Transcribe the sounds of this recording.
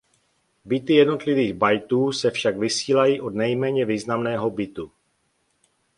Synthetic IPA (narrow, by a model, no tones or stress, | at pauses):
bɪt̪ɪjɛdno̞t̪lɪviːɣbajt̪uːsɛfʃaɡvɪsiːlajiʔod̪nɛjmɛːɲɛviːznamnɛːɦo̞bɪt̪u